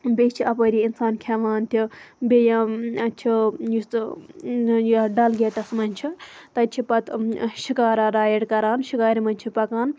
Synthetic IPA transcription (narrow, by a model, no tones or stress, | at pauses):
bʲet͡ʃʰiɐpɐɾʲiinsaːnkʰaʋaːnt̪ʲʰibʲejãɐt͡ʃʰijust̪ | jaɖɐlɡʲeːt̪ɐsmɐnʲt͡ʃʰit̪ɐt͡ʃʰipɐt̪ʃikaːɾaɾaːjeɽkɐɾaːnʃikaːɾʲimɐnʲt͡ʃʰipɐkaːn